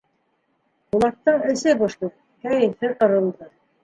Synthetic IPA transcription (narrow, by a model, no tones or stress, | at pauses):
ulˠɑk̚t̪ːɑɴɘ̆sɘboʃt̪ˠu | kæjɘ̆nhɘqɤ̆ɾɤ̆lˠd̪ɤ